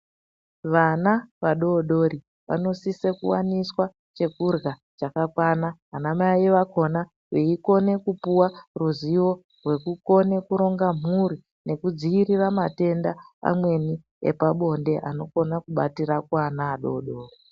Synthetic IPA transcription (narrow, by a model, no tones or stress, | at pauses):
ʋanaʋaɗo̞ɗo̞ɾi | ʋa̰no̞sisekṵwaniswa | t͡ʃe̞kurɣa | t͡ʃakakwanaɦanamaiʋako̞na | weiko̞ne̞kupuwaruziwo̞ | rwe̞kuko̞ne̞kuɾo̞ŋɡam̤uɾi | ne̞kud͡ziiɾiramate̞ndaa̰mwe̞ni | ḛpaɓo̞nde̞ʔano̞ko̞nakuɓatiɾakwanaːɗo̞̰ɗo̞ːri